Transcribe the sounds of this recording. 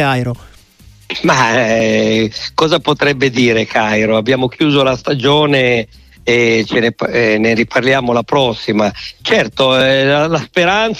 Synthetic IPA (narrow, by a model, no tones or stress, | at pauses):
ajɾo | ma | kɔːzapot̪ɾɛbːed̪iːɾekʰajɾoabːjaːmokjuːzolast̪ad͡ʒoːneː | t͡ʃenepneɾipʰarljaːmolapɾɔsːimat͡ʃɛrt̪oɛlalaspeɾant̪s